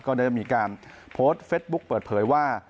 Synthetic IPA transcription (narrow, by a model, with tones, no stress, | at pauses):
kɔː˥˩ɾaː˥˩t͡ɕa˩ʔmiː˧kaː˧n | pʰoː˦˥st̪̚feː˦˥t̪̚bu˦˥k̚pɤː˨˩t̪̚pʰɤː˩˦jwaː˥˩